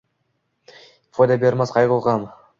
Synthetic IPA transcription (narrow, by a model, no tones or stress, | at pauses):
fojd̪ɑbʲeɾmɑsqʰɑjʁolˠʁɑm